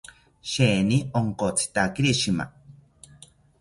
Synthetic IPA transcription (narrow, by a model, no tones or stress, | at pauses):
ʃeːnioŋkot͡sʰi̥t̪akiɾiʃima̰